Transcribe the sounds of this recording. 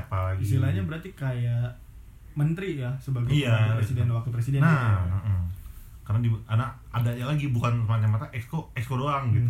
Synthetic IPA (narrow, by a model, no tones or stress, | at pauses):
apalaɡisilaɲabəɾart̪ikajaʔ | mənt̪ɾijasəbəlɡiijapɾesidɛnwak̚t̪upɾesidɛnam̩ | karənadiana | adajalaɡibukanəmat͡ʃamat̪aʔɛkskoɛkskoɾoaŋɡit̪u